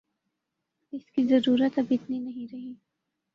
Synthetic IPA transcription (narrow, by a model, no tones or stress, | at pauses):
ɪskizɐɾuːɾət̪ɐbɪt̪ninɐɦĩɾɐɦi